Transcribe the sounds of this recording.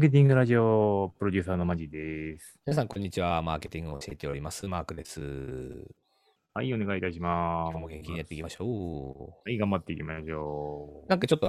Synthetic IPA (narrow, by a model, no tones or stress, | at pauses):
ak̬e̞t̪̬ĩŋɡɯ̟ɾaʑiopɯɾodʲɯːsaːno̞maʑid̪esɨ̥mʲinas̬ãŋkõɲ̟ːit͡ɕiβamaːke̞t̪ʲĩŋɡɯoɕie̞t̪e̞o̞ɾʲimasɨmaːkɯ̟d̪e̞sɨ̰ | haio̞ne̞ɡait̪aɕ̬imaomoɡẽŋkʲiɲijat̪ːeikimaɕoːhaiɡãmbat̪ːe̞ikʲimaɕoːnãŋkat͡ɕo̞t̪ːo